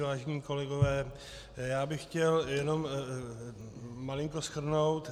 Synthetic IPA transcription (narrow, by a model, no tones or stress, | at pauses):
vaːʒɛɲiːko̞lɛɡovɛː | jaːbɪxxcɛljɛno̞m | malɪŋko̞sxr̩no̞wt̪